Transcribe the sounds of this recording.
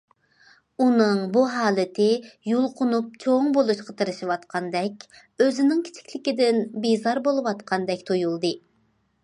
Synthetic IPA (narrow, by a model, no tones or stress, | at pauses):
unɨŋbuɦɑːlˠɨt̪ʰɪjulˠqʰʊnup̚t͡ʃʰoŋbolˠuʃqɑt̪ʰɨɾɨʃiwɑt̪qʰɑnd̪ɛkʲ | øzɪnɪŋkʲʰi̥t͡ʃʰi̥kʲlɪkʲid̪ɪnbizɑɾbolˠɨwɑt̪qʰɑnd̪ɛkʲt̪ʰojulˠd̪ɨ